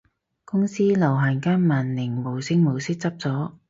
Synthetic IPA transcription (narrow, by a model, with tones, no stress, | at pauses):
kʊ˥ŋsiː˥lɐ˨˩wɦaː˨˩nkaː˥nmaː˨˩nlɪ˨˩ŋmo˨˩wsɪ˥ŋmo˨˩wsɪ˥k̚t͡sɐ˥p̚t͡sɔː˨˥